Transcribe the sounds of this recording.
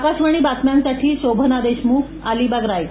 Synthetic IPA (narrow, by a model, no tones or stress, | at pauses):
kaɕʋəɽ̃iːbat̪mjansaʈʰiːɕobʱənad̪eɕmuːkʰ | aliːbaɡɾaj